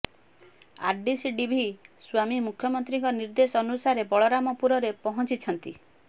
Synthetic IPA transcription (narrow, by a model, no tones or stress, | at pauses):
a̰ɾɖisiɖibʱiswamimukʰjɔmɔnt̪ɾiŋkɔniɾd̪esɔɔnusaɾebɔɭɔɾamɔpuɾɔɾepɔɦɔnt͡ʃit͡ʃʰɔnt̪i